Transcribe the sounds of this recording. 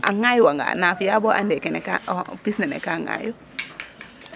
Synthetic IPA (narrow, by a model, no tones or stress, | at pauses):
ʔaŋajuwaŋɡa̰nafijabɔʔandɛkɛnɛka̰pisnɛnɛ̰kaŋa̰ju